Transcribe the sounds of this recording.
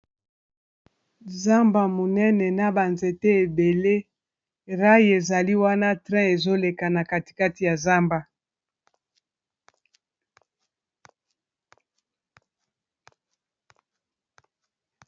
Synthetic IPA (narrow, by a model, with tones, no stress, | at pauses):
za˦mba˨mo˨nɛ˦nɛ˨na˦ba˨nze˨tɛ˦e˨be˨le˦ | ʁa˦je˨za˨li˦wa˦na˦tʁɛ̃˦e˨zo˦le˨ka˨na˨ka˨ti̥˨ka˦ti˨ja˨za˦mba˨